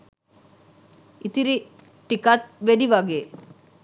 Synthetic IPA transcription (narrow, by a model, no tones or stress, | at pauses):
it̪iɾi | ʈikat̪̚ʋeɖiʋaɡe